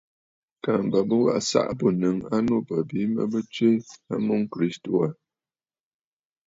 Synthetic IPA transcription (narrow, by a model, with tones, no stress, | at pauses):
ka˨m˨bə˨bə˦wa̰˦˨ʔsa̰˦ʔbo˨nɨ˨ŋa˦no˦pə˨bi˨˦mə̰˦bə˦t͡ʃɥe˦a̰˦mu˦ŋ˦kɾi˦sto˨a˨